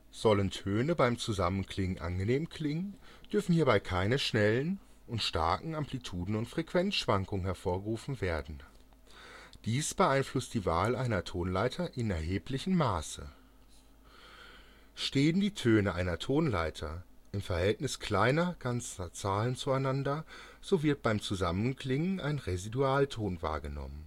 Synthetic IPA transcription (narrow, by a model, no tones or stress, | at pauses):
z̥ɔləntʰøːnəbaɪmt͡suzamənkʰlɪŋənʔa̰nɡəneːmkʰl̥ɪŋənd̥ʏɐfn̩hiːɐbaɪkʰaɪnəʃnɛlən | ʔʊntʃta̰ɐkŋ̩ampʰlitʰuːdn̩ʊntfʁ̥ekv̥ɛnsʃv̥aŋkʊŋənɦɛɐfoːɐɡəʁuːfn̩veːɐdn̩ | d̥iːsb̥əʔaɪnflʊstd̥iːvaːlʔaɪnɐtʰoːnlaɪtʰɐʔɪnɛɐɦeːplɪçənm̩ːaːsə̰ | ʃteːəndiːtʰøːnəʔaɪnɐtʰoːnla̰ɪtʰɐʔɪmfɛɐhɛltnɪskʰl̥aɪnɐɡ̥ant͡sɐt͡saːlənt͡suaɪnandɐz̥ovɪɐt̚b̥aɪmt͡suzamənkl̥ɪŋəna̰ɪnʁeziduaːltʰoːnva̰ːɐɡənɔ̰mən